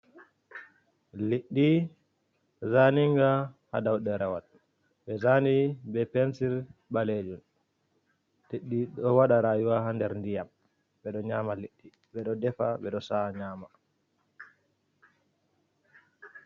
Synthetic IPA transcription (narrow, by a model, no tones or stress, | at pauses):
liɗːi | zaniŋɡaha̰dawɗɛɾawa̰t | ɓɛzanibɛpɛnsiɾɓaled͡ʒun | liɗːiɗɔwaɗaɾajuwahandɛɾndijam | ɓɛɗɔɲaːmaliɗːi | ɓɛɗɔdɛfaɓɛɗɔsaɲaːma